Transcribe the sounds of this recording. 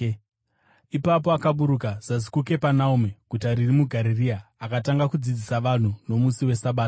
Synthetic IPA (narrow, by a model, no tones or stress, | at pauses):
ipapo̞akaɓuɾukaz̥azi̥kuke̞panaumekutaɾirimuɡʱaɾiriaːkataŋɡakud͡zid͡zisaʋan̤uno̞musiwe̞saɓaːtḁ